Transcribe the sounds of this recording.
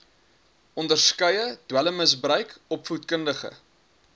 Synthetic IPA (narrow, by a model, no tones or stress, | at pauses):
ɔndərskœjəd̥wæləməsbrœɥkɔpfutkəndəχə̰